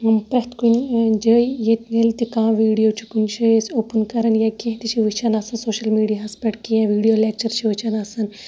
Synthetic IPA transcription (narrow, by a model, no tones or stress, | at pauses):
mpɾɐɦt̪kund͡ʒəːijet̪nelt̪ikãːʋiːɽijoːt͡ʃʰi̥kunt͡ʃʰijesoːpənkɐɾɐnjakẽɦt̪it͡ʃʰiʋɨt͡ʃʰɐnaːsɐnsoːʃɐlmiːɖijaːspɐʈkijãʋiːɖijoːleːk̚t͡ʃɐɾt͡ʃʰiʋɨt͡ʃʰɐnaːsɐn